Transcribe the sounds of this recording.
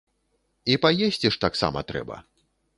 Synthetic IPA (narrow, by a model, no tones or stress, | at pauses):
ipajesʲt͡sʲiʂt̪aksa̰mɐ̰t̪ɾɛ̰bɐ̰